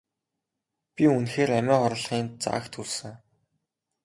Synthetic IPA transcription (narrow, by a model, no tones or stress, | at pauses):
pʲiunxeːɾæmæːχɔɾə̆ɮχiːnt͡sa̰ːkt̪ʰuɮsɘ̆ŋ